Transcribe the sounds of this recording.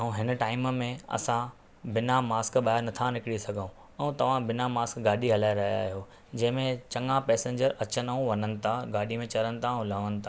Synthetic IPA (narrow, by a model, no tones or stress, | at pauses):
aːũɦɪnə̆ʈaːɪmmẽɐ̰sã | bɪnamaːskɓaːɪɾnɐt̪ʰanɪkɪɽisɐɡʱəũ | ɛ̃ũt̪ɐʋ̤ãbɪnamaːskɡaːɗiɦɐlaːeɾɐɦja̰ːijo | d͡ʑɐ̃ɦɪ̃mẽt͡ɕɐ̃ŋɡãpɛːsẽːɲd͡ʑəɾɐt͡ɕənaũʋɐnənɪ̆t̪ʰaɡaːɗimẽt͡ɕɐɾənɪ̆t̪ʰãlɐʋənɪ̆t̪ʰaː